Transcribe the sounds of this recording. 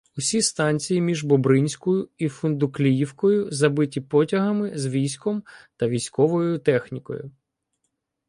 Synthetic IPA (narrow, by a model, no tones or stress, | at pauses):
ʊsʲist̪ɑnʲt͡sʲijimʲiʒbɔbɾɪnʲsʲkɔjʊifʊnd̪ʊklʲijiwkɔjʊzɐbɪtʲipɔtʲɐɦɐmɪzʋʲijsʲkɔmt̪ɐʋʲijsʲkɔʋɔjʊt̪ɛxnʲikɔ̰jʊ̰